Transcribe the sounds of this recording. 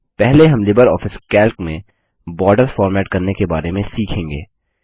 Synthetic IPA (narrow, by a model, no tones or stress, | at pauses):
pɛɦleɦɐ̃mlɪbəɾɔːfɪskɛːlkmẽ | bɔːɖəɾfɔːɾmɛːʈkɐɾnekebaːɾemẽsiːkʰẽːŋɡḛː